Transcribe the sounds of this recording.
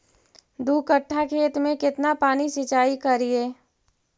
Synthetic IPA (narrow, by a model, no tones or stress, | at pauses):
d̪uːkəʈʰːakʰeːt̪mẽkɪt̪napaːnisɪt͡ʃaːikəɾieː